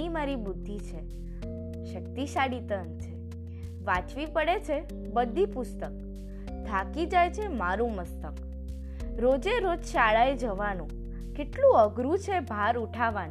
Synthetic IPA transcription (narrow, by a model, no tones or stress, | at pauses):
imaɾibʊd̪ʱːit͡ʃʰe | ʃək̚t̪iʃaɽit̪ənt͡ʃʰe | ʋãt͡ʃʋipəɽet͡ʃʰe | bəd̪ʱːipʊst̪ək̚ | d̪ʱakid͡ʒajt͡ʃʰemaɾũməst̪ək | ɾod͡ʒeɾod͡ʒʃaɭaed͡ʒəʋanũ | keʈlũəɡɾut͡ʃʰebʱaɾuʈʰaʋan